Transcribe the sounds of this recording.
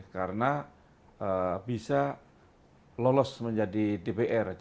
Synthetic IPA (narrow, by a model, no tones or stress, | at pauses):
kaɾəna | əbisa | lolɔsməɲd͡ʒadidepeʔɛr